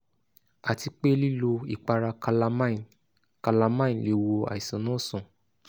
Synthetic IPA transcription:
a˨ti˧k͡pe˦li˦lo˧i˨k͡pa˧ɾa˧kla˧m˦˨ | ka˧la˧mã˦ĩ˨le˨˧wo˧a̰˨i˨sɔ̃˨nɔ̃˦˨sũ˨

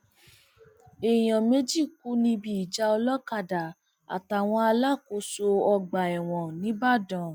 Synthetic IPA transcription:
e˨j̃ã˨me˦d͡ʒi˦˨ku˨˦nĩ˧bi˦i˨d͡ʒa˧ɔ˧lɔ˦ka˦˨da˨ | a̰˨ta˨w̃ɔ̃˧a˧la˦˨ko˧so˧ɔ˧ɡ͡ba˨ɛ˨w̃ɔ̃˨nĩ˨˦ba˦˨dɔ̃˨

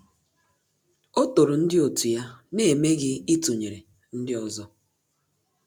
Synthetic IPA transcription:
o˦to˨ɾʊ˨n̩˦dɪ˦o˨tu˨ja˦ne˨me˦ɡɪ˦i˦tu˨ɲe˨ɾe˨ | n̩˦dɪ˦ɔ˨zɔ˦

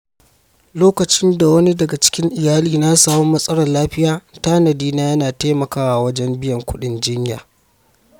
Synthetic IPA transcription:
loː˦kɐ˨t͡ʃɪ˦nda˨wɐ˦ni˦dɐ˨ɡa˨t͡ʃɪ̥˦kʲɪ˦ŋʔɪ˨jaː˦liː˨na˦saː˦mo˦mːɐ˦sʼɐ˦ɽɐ˨nlaː˦ɸɪ˦jaː˨taː˦nɐ˨diː˦naː˦jɐ˦naː˨taː˦mɐ˨kaː˦wa˨wɐ˦d͡ʒɛ˦mbɪ˦jɐ˨ŋkʷʊ˦ɗɪ˨nd͡ʒɪ˦ɲja̰ː˨

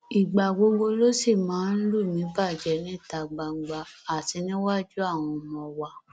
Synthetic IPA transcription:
i˨ɡ͡ba˨ɡ͡bo˧ɡ͡bo˧lo˦si˦˨mãː˨˦n̩˦lu˦˨mĩ˨˦ba˦˨d͡ʒɛ˨˦nĩ˦˨ta˧ɡ͡ba˧ɡ͡ba˧a˨ti˧nĩ˦wa˦d͡ʒu˦a˦˨w̃ɔ̃˧mɔ̃˧wa˧

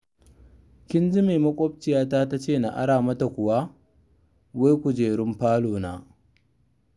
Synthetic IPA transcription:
kʲɪ˦nd͡ʒi˦meː˨mɐ˦kʷʼɔ˦b̚t͡ʃɪ˨jaː˦taː˦ta˦t͡ʃeː˦˨na̰˨ʔa̰˦ɽaː˨mɐ˦ta˨kʷʊ˨wa˦ | we˦jkʷu˨d͡ʒeː˨ɽɪ˦mɸaː˦loː˨na̰ː˦

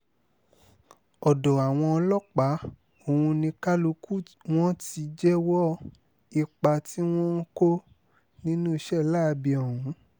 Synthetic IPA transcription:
ɔ˨dɔ˨a˨w̃ɔ̃˧ɔ˧lɔ˦k͡pa˨˦ | o˨wũ˧nĩ˧ka˦lu˧ku˦˨w̃ɔ̃˦ti˧d͡ʒɛ˦wɔ˦ | i˧k͡pa˧ti˦w̃ɔ̃˦n̩˦ko˦ | nĩ˦nũ˦i˧ʃɛ˦˨la˦˧bi˧ɔ˨hũ˨˦

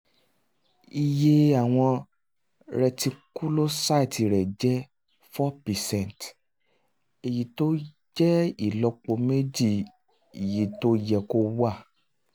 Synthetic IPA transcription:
i˧je˧a˨w̃ɔ̃˧ | ɾɛ˧ti˧ku˦lo˦sa˦˨ti˨˧ɾɛ˨d͡ʒɛ˦ | fɔ˦pɛ˨sɛ̃˦˨n˨t | e˨ji˨to˦ | d͡ʒɛ˦i˦˨lɔ˧k͡po˧me˦d͡ʒi˦˨ | i˨ji˨˦to˦jɛ˧ko˧˦wa˦˨

